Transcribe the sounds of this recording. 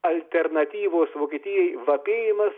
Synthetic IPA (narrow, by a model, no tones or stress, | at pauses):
ɐlʲt̪ʲɛɾnɐt̪ʲiːʋoːsʋoːkʲiːt̪ʲɪjɛjʋɐpʲeːjɪmɐs